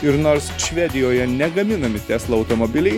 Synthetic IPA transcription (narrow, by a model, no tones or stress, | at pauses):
ɪɾnoːɾsʃʲʋʲɛd̪ʲɪjoːjɛnʲɛɡɐmʲɪnɐmʲɪt̪ʲɛslˠɐɐʊt̪omobʲɪlʲɛɪ